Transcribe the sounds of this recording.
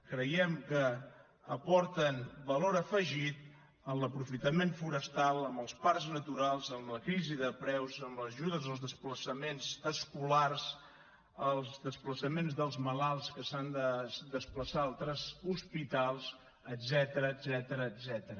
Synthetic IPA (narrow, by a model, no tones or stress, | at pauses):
kɾəjɛmkəː | pɔɾt̪ənbəloɾəfəʒit̪̚ | ənləpɾufit̪əmenɱfuɾəst̪alˠəmbəlˠsparznət̪uɾalˠzəmləkɾiziðəpɾɛwzəmləʒuðəzəlˠzðəspləsəmenzəskulars | əlˠzðəspləsəmenzðəlˠzməlalˠskəsand̪əd̪əspləsaalˠt̪ɾəzuspit̪alˠz | əd̪zɛt̪əɾəːd̪zɛt̪əɾəːd̪zɛt̪əɾə